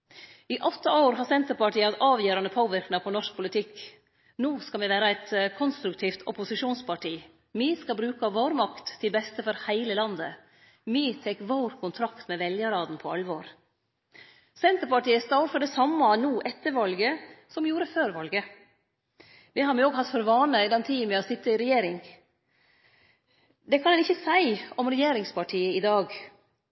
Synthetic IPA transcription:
ɪʔɔt̪ːɑoːɾɦɑsɛnt̪əɾpɑʈʰiːəɑt̪ɑːʋjøːɾɑnəpʰoːʋɪɾknɑpʰɔnɔʂk̚pʰʊlɪt̪ʰɪkː | nuːskɑʋɛʋæːɾɑɛɪt̪kʰɔnst̪ɾʉkt̪ʰiːft̪ʰɔpʊsɪʂuːnspʰɑʈiː | miːskɑbɾʉːkɑʋoːɾmɑkt̪ʰːɪlbɛst̪əfɔɾhæɪləlɑnd̪ə̰ | miːt̪ʰɛkːʋoːɾkʰʊnt̪ʰɾɑkt̪mɛʋɛljəɾɑːd̪npʰɔɑlʋoːɾ | sɛnt̪əɾpɑʈiːəst̪ɑːfɔɖ̪ɛsɑmːɑnuːʔɛt̪ːəɾʋɑlɡəsɔmjuːɾəføːɾʋɑlɡə | ʋɪhɑɾmɛoːɡhɑt̪fɔɾʋɑːnəɪd̪ɛnt̪ʰiːmɛɔsɪt̪ːəɪɾɛjeːɾɪŋ | d̪ɛkʰɑnɛnɪçːəsæɪɔmɾɛjeːɾɪŋspʰɑʈʰiːəɪd̪ɑːɡ

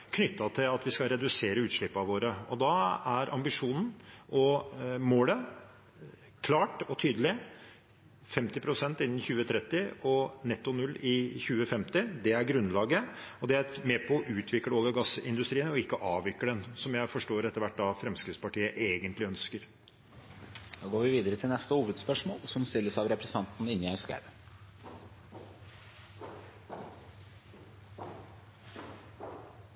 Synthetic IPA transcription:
kʰnʏt̪ːɑt̪ʰɪlɑt̪ʋɪskɑlɾɛd̪ʉseːɾəʉːt̪ʂɭɪpːɑʋoːɾəɔd̪ɑæɾʔɑmbɪʂuːnn̩ʔɔmoːlə | kʰlɑːʈɔt̪ʰyːd̪əlɪ | fɛmt̪ɪpʰɾʊsɛnt̪ɪnːn̩çʉːət̪ʰɾɛt̪ːɪɔnɛt̪ːʊnʉlːɪçʉːəfɛmt̪ɪd̪ɛæɾɡɾʉnlɑːɡəɔd̪ɛæɾmɛpʰɔɔʔʉːt̪ʰʋɪkːləoːɡɑɡɑsɪnd̪ʉst̪ɾiːənɔɪkːəʔɑːʋʋɪkːəd̪ɛnsɔmjæɪfɔʂʈoːɾɛt̪ːəɾʋæʈ̚ːd̪ɑfɾɛmskɾɪt̪spɑʈiːəʔeːɡənt̪lɪœnskəɾ | d̪oːɡoːɾʋɪʋiːd̪əɾət̪ʰɪlnɛst̪əhuːʋəd̪spœʂmo̰ːlsɔmst̪ɪlːəsɑʋɾɛpɾɛsə̥nɑnt̪n̩ɪnːɪɑskæ̰ʋə

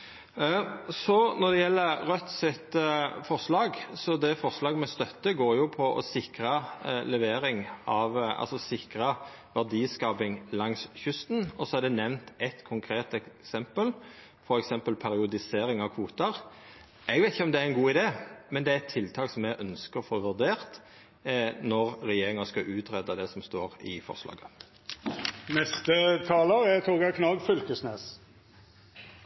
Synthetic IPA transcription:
sɔnɔd̪ɛjɛlːəɾɾœt̪sɪt̪fɔɾʂlɑːɡsɔd̪ɛfɔʁʂlɑːɡəmɛst̪œt̪ːəɡoːɾjʊpʰɔʔɔ̰sɪkɾɑlɛʋeːɾɪŋɑʋʔɑ̰lsɔsɪkɾɑ | ʋæʁd̪iːskɑːpɪŋlɑŋsçʉst̪nɔsɔæɾd̪ɛnɛʋnt̪ɛt̪kʰʊŋkʰɾeːt̪ɛsɛmpəl | fɔɾɛksɛmpəlpʰæɾɪʊd̪ɪseːɾɪŋɑʋkʰʋuːt̪əʁ | ʔɛɡʋɛɪt̪ɪçəɔmd̪ɛæɾɛnɡuːɪd̪eːmɛnd̪ɛæɾɛt̪ʰːɪlt̪ʰɑːksɔmɛɡʔœnskəɾɔfoːʋʉʁd̪eːʁt̪ | nɔʁɾɛjeːɾɪŋɑskɑʔʉːt̪ɾɛd̪ɑd̪ɛsɔmst̪oːɾɪ̰fɔ̰ʁslɑ̰ːɡə | nɛst̪ət̪ʰɑːləɾæt̪ʰuːɡɑkʰnɑːɡfʏlkəsneːs

